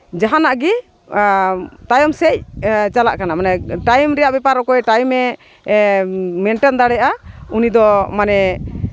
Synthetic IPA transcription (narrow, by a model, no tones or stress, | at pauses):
d͡ʒaɦanaʔɡɛ | t̪ajɔmsɛc̚t͡ʃalaʔkanamanɛʈajmɾɛjaʔbɛpaɾɔkɔɛʈajmɛ | mɛɳʈɛnd̪aɽɛʔaunid̪ɔmanɛ